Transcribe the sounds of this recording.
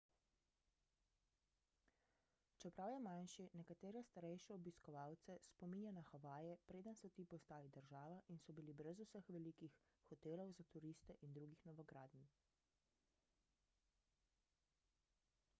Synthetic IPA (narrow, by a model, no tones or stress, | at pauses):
t͡ʃɛpɾawjɛmanʃinɛkat̪eːɾɛst̪aɾɛjʃɛɔbiskɔʋaːwt̪sɛspɔminjanaxaʋaːjɛpɾeːd̪ənsɔt̪iːpɔst̪aːlid̪əɾʒaːʋaʔinsɔbilibɾɛzusəxʋɛlikix | xɔt̪eːlɔwzat̪uɾist̪ɛʔind̪ɾuːɡixnɔʋɔɡɾaːd̪ni